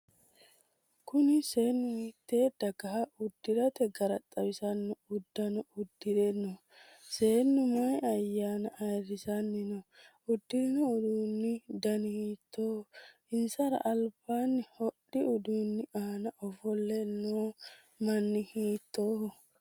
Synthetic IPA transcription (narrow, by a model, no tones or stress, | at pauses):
kʊnɪseːnːʊhiːt̪ːe̞ːd̪ɐɡɐhɐʊd̪̥ːɪɾɐt̪ɛɡɐɾɐt̪ʼːɐbɪsɐnːʊʊd̪ːɐnɔʊd̪ːɪdɛnɔ | se̞ːnːʊmɐjɐjːaːnɐʔɐjrɪsɐnːɪnɔ | ʊd̪ːɪnɔʊd̪uːnːɪd̪ɐnhiːt̪ːoː | ɪnsɐɾɐ̰ʔɐlb̥aːnːɪhɔɗːɪʊd̪uːnːɪaːnɐʔɔfɔlːɛnoː | mɐnːɪhiːt̪ːoːh